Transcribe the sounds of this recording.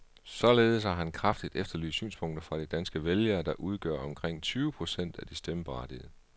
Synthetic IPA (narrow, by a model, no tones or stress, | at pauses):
sɒ̽leːð̞̩ˠəsɑɦænkʰʁɑfd̥id̥efd̥ɐly̰ːsy̰ːnspʰɔ̽ŋ̰d̥ɐfʁɑ̈ɾ̥id̥ænsɡ̥əʋeljɐːd̥ɑ̈ʔuð̞ˠɡ̥ɶɐ̰ɒ̽mkʰʁeŋ̰t͡sʰyːʊəpʰʁo̝sen̰d̥æd̥isd̥eməb̥ɑ̰̈ːd̥iðˠə